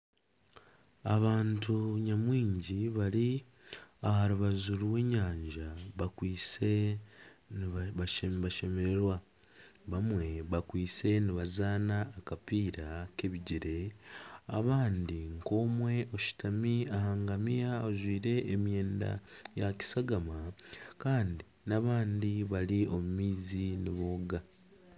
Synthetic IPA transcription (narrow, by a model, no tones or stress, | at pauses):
aβaːntʰuɲamwiːɲɟiβaɾi | ahaɾuβazuɾwe̞ɲaːɲɟaβakwiːt͡se | βaʃe̞me̞ɾe̞ɾwa | βamwe̞βakwiːt͡se̞niβazaːnaːkapiːɾake̞βiɟeɾe̞ | a̰βaːndiŋko̞ːmwe̞ʔoʃi̥tʰamiahaːŋɡamijaozwiːɾe̞ːmje̞ːnda̰jaci̥saɡamakaːndi | naβaːndiβaliomumiːziniβo̞ːɡa